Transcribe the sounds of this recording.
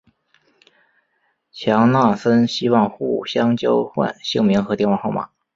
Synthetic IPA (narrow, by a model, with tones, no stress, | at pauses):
t͡ɕʰjɑ˧˥ŋna˥˩sə˥nɕi˥wɑ˥˧ŋxu˥˩ɕjɑ˥ŋt͡ɕjo˥ʊxwa̰˥˧nɕɤ˥˩ŋmi˧˥ŋxɤ˧˥t̪jɛ˥˧nwɑ˥˧xo˥˩ʊma̰˨˩˦